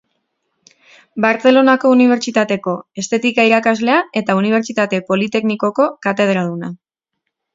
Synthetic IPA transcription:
baɾt͡se̞lo̞nako̞uniβ̞e̞ɾt͡ʃit̪at̪e̞ko̞e̞st̪e̞t̪ikaiɾakazle̞ae̞t̪auniβ̞e̞ɾt͡ʃit̪at̪e̞po̞lit̪e̞kniko̞ko̞kat̪e̞ð̞ɾaluna

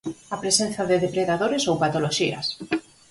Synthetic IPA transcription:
ɐpɾesen̟θɐðɪðepɾeðaðoɾesowpat̪oloʃiɐ̰s

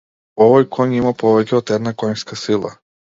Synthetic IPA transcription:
ɔvɔjkʰɔɲimapɔvɛcʲɛɔt̪ɛd̪nakɔɲskasilˠa̰

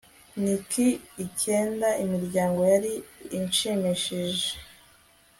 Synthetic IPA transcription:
nikiːceːndaʔimiɾɟaːŋɡo̞jaɾiːnt͡ʃemeʃeʒe̥

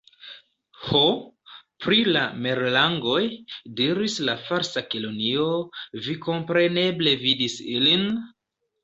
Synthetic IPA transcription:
ho | pɾilameɾlaŋɡo̞jdiɾislafaɾsakilonio̞viko̞mpɾe̞ne̞ble̞vidisilin

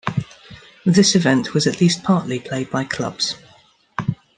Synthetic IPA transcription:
ðɪsɪvɛ̃nʔwɒzəʔʰliˑspʰɑˑʔlipʰl̥eɪd̚baɪkʰl̥ʌ̰b̥z̥

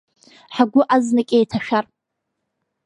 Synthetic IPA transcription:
ħaɡʷʊʔaznɨkʲʼejtʰaʃᶣar

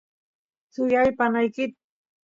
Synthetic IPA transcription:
sʊjajpanajkɪt̪̚

